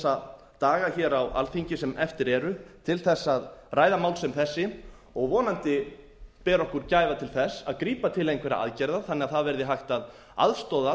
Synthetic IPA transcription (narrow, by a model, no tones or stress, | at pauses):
sa | t̪aːɣaçɛːɾawa̰lθiɲcɪsɛmɛft̪ɪɾɛɾʏt̪ʰɪlθɛsːaðraːjðamaːwlsɛmθɛsːɪ | ɔɣvɔːnant̪ɪ | pɛːɾɔhkʏɾcaːjvat̪ʰɪlθɛsːa̰ðkɾiːpat̪ʰɪlejnkvɛːɾa̰ʔa̰ðcɛɾðaθanːɪaðθaðvɛɾðɪɦajxt̪að | a̰ðst̪ɔða